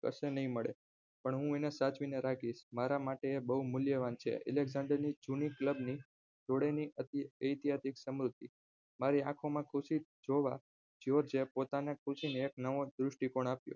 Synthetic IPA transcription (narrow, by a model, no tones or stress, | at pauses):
kə̰ʃenəɦĩməɭḛ | pəɳɦũenesat͡ʃʋineɾakiʃmaɾamaʈeːbəɦumʊljəʋant͡ʃʰḛɛ̰leɡzãɳɖəɾnid͡ʒunikləbni | d͡ʒoɽeniəəjt̪ijad̪iksəmɾut̪i | maɾiãkʰomãkʰuʃid͡ʒoʋa̰ | d͡ʒoɾd͡ʒepot̪anãkʰʊʃineːknəʋod̪ɾʊʃʈikoɳ̃apjo̰